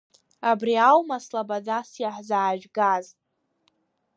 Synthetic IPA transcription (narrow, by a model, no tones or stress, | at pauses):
abriawmaslabad͡zasjaħzaːʒᶣɡaz